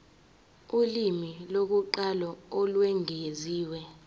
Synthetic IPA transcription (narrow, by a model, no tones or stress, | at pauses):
ulimilok̬uǃalɔɔlwɛŋeziːwɛ